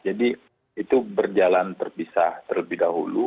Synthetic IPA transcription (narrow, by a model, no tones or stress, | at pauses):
d͡ʒadi | it̪ubərd͡ʒalant̪ərpisat̪ərləbɪhdaɦṵlu